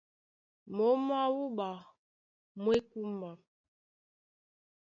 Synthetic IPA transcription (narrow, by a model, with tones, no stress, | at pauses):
mo˨˦ma˦wu˦ba˨ | mwe˦ku˦ma˨